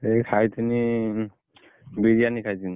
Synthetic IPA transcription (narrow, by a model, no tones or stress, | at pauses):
ekʰajtʰɯni | biɹijanikʰajtin